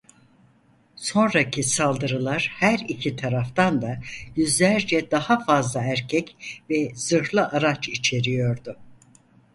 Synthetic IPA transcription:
so̞nɾacʰisalˠd̪ɯɾɯlˠaɾ̥hæɾicʰit̪ʰaɾaft̪ʰand̪ajyzlʲæɾd͡ʒɛd̪ahafazlˠaæɾcʰɛcvɛz̥ɯɾlˠɯʔaɾat͡ʃit͡ʃʰe̞ɾijo̞ɾd̪ʊ

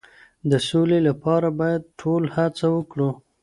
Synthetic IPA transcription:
d̪əsolelapɑɾabɑjad̪̚ʈʰolhat͡sawəkɽu

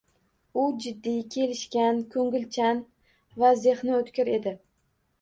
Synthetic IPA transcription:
ʊd͡ʒɪd̪ːijkʲʰe̞lɪʃkʲankʰɵŋɡʲɪlt͡ʃʰan | vazehnɪot̪kʲɪɾe̞d̪ɪ

